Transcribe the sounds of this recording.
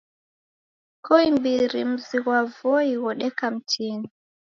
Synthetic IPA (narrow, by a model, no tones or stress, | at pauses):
kɔimbiɾimziwavɔjiwɔɗɛkamtʰiːni